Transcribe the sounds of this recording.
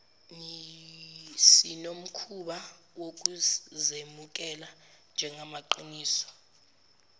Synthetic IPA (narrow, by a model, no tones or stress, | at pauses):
ŋi | sinom̩kʰuɓa | wok̬ʼuzemuk̬ʼɛland͡ʒʱɛŋʱamaǃiniːsɔ̥